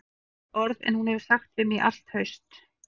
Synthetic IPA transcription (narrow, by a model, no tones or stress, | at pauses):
ɔɾðɛ̰nhunhɛvɪɾ̥saxt̪vɪmiʔa̰l̥t̪hœɥst̪